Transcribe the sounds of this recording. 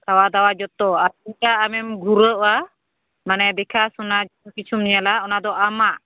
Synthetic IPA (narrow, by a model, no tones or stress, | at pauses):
sawad̪awad͡ʒɔt̪ɔaiaʔamɛmɡuɾəʔwa | manɛd̪ɛkʰasunad͡ʒɔɔkit͡ʃʰumɲalaɔnad̪ɔʔamaʔ